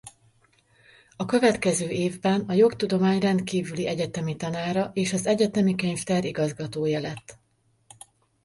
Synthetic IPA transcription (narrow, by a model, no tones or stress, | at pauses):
ɒkø̞vɛt̪kɛzøːeːvbɛnɒjo̞kt̪ud̪o̞maːɲrɛnt̪kiːvyliʔɛɟɛt̪ɛmit̪ɒnaːɾɒʔeːʃɒzɛɟɛt̪ɛmikeɲft̪ɛɾiɡɒzɡɒt̪oːjɒlɛt̪ː